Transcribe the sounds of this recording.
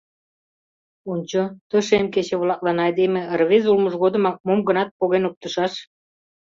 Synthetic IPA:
unʲt͡ɕot̪ə̆ʃemket͡ɕĕβlɑk̚lɑnɑɑjd̪emĕrβezulməʒɣod̪ə̆mɑk̚momɡənɑt̪̚poɣenuk̚t̪əʃɑʃ

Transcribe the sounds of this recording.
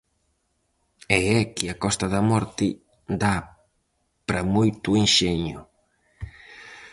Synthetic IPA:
ɛɛkɪakɔst̪ɐðɐmɔɾt̪ɪ | d̪a | pɾɐmojt̪ʊinʃɛɲʊ̰

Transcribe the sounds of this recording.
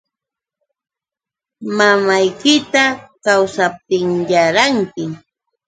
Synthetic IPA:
mamajkɪt̪akawsap̚t̪ɪŋjaɾaŋkɪ

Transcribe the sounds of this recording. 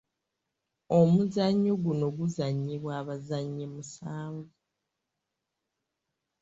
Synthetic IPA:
o̞muzaɲːoɡuno̞ɡuzaɲːeβwaːβazaɲːemusaːɱvu

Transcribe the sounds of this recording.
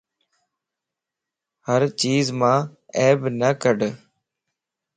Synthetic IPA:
həɾt͡ʃiːzmãːɛːbnəkəɖ

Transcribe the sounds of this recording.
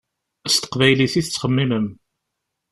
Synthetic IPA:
st̪ə̥qvæjliθiθət͡sːχəmːiməm

